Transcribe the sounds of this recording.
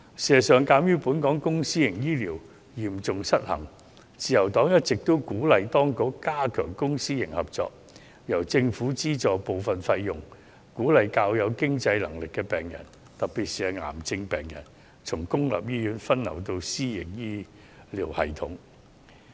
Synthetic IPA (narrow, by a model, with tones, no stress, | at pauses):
si˨˩˨sœː˨˧ŋkaː˨˥mjyː˥puː˨˥nkɔː˨˥ŋkʊ˥ŋsiː˥jɪ˨˩ŋjiː˥liː˨˩w | jiː˨˩mt͡sʊ˨ŋsɐ˥t̚hɐ̰˨˩ŋ | t͡siː˨jɐ˨˩wt̪ɔː˨˥ŋjɐ˥t̚t͡sɪ˨k̚t̪o˥wkuː˨˥lɐ˨jt̪ɔː˥ŋkʊ˨˥kkaː˥kʰœː˨˩ŋkʊ˥ŋsiː˥jɪ˨˩ŋhɐ˨p̚t͡sɔ̰ː˧˨k̚ | jɐ˨˩wt͡sɪ˧ŋfuː˨˥t͡siː˥t͡sɔː˨po˨wfɐ˨nfɐ˧jːʊ˨˩ŋ | kuː˨˥lɐ˨jkaː˧wjɐ˨˧wkɪ˥ŋt͡sɐ˧jlɐ̰˨˩ŋlɪ˨kːɛː˧pɛː˨˩ŋjɐ̰˨˩n | t̪ɐ˨k̚pi˨t̚siː˨˧hɐ˨˩ŋa̰ː˨˩mt͡sɪ˧ŋpɛ̰ː˨˩ŋjɐ̰˨˩n | t͡sʰʊ˨˩ŋkʊ˥ŋlɐ̰˨p̚jiː˥jyː˨˧˥nfɐ˥nnɐ̰˨˩wt̪o˧wsiː˥jɪ˨˩ŋjiː˥ | liː˨˩whɐ̰˨˩jt̪ʰʊ˨˥ŋ